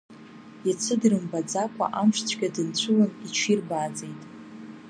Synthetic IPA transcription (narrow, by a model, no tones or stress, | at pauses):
jat͡sʰɨdrɨmbad͡zakʷʰʼa̰ʔamʂʷt͡ɕʷʰɡʲadɨnt͡ɕʷʰʊlanit͡ʃʷʰirbaːd͡ze̞jtʼ